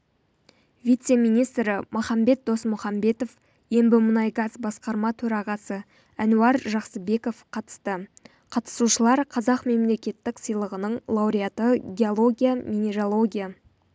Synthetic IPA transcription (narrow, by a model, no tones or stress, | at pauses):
vʲijt̪se̞mijnijst̪ɾɪmʔʊχɑmbe̞t̪̚d̪o̞smʊχɑmbe̞t̪o̞f | je̞mbɪmʊnɑjɡɑzbɑsqɑɾmɑt̪ʰɵɾɑʁɑsə | ænuɑɾʒɑqsəbe̞ko̞fqʰɑt̪ə̥st̪ə | qʰɑt̪ə̥suʃəlˠɑɾqʰɑzɑqme̞mle̞kʲe̞t̪ːɪksəjlˠəʁənəɴlˠɑwɾijat̪əɡʲe̞o̞lˠo̞ɡʲijamʲine̞ɾo̞lˠo̞ɡʲija